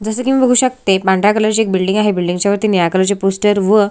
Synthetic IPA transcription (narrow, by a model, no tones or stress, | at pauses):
d͡zəsəːkĩʋ̃ĩbəɡʱuːɕəkt̪epãɳɖakələɾt͡ɕiek̚bilɖĩŋɡaɦebilɖĩŋɡt͡ɕaʋəɾt̪inijakələɾt͡ɕepusʈəɾʋə